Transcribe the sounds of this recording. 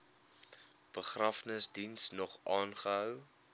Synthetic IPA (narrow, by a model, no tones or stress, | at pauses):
b̥əχrɑːfnəsdinsnɔχʔɑːnχəɦœw